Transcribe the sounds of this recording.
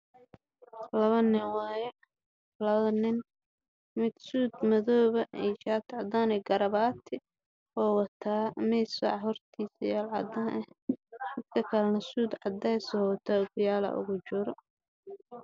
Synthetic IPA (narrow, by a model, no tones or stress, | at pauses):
lɐβɐnɪwɑːjɛ | lɐɐnɪn | mɪd̪suːd̪mɐðɔːβɐɛt͡ʃaːt̪ʰʕɑd̪aːnɛɡɐɾɐβaːt̪ʰɪ | ɔːwɐt̪ʰaːmɛsa̰ʕɦɔrt̪ʰiːsjaːlʕɑ̰d̪aːnʔɛħɪd̪kʰɐkʰɐlɐnɐsuːd̪ʕɑd̪ɐsɔwɐt̪ʰaːʊɡʊjaːlɐ̰ʔʊ̰ɣʊt͡ʃʊɾɔ